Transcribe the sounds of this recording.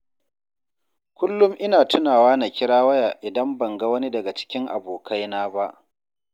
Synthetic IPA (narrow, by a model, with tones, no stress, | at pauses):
kʷʊ˦lːʊ˦mʔɪ˦naː˨tʊ˦naː˨waː˦na˨kʲɪ˦ɽaː˦wɐ˦jaː˨ʔɪ˨dɐ˦mbɐ˨ŋɡa˦wɐ˦ni˦dɐ˨ɡa˨t͡ʃɪ̥˦kʲɪ˦ŋʔa̰˨boː˨kʰa˦jnaː˦ba˦ʔ